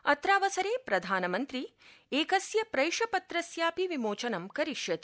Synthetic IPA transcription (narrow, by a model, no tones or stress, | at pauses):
ɐt̪ɾaːʋɐsɐɾeːpɾɐd̪ʱaːnɐmɐnt̪ɾi | eːkɐsjɐpɾɐjʂɐpɐt̪ɾɐsjaːpiʋimoːt͡ʃɐnɐmkɐɾiʃjɐt̪i